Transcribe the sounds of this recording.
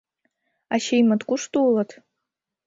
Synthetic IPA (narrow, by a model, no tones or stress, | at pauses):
aɕejmət̪kuʂt̪ulˠɤt̪